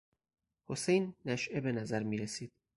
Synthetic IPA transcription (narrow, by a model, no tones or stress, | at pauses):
hosejnːæʃʔebe̞næzæɾmiːɾesiːd̪̥̚